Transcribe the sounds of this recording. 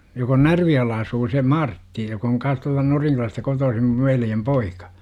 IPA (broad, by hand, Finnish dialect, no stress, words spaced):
jok on nærʋijoelːɑ ɑsuː se mɑrtːi jok oŋ kɑns tuɑltɑ noriŋkylæstæ kotoːsim mu̥ʋ ʋeljem poikɑ̥